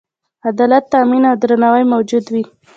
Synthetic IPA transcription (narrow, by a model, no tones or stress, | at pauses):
ad̪ɑlat̪ːaminawd̪ɾanawajmawd͡ʒud̪wi